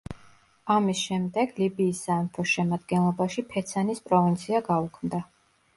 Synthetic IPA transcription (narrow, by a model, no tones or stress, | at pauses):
amisʃɛmd̪ɛɡ̥libiːsːamfʰɔʃɛmad̪ɡɛnlˠɔbaʃipʰɛt̪sʰanispʼɾɔvint̪sʰiaɡaukʰmd̪a